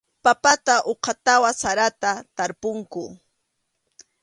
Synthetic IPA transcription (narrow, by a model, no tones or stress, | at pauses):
papat̪aʔoqʰɑt̪awasaɾat̪at̪aɾpʊŋkʊ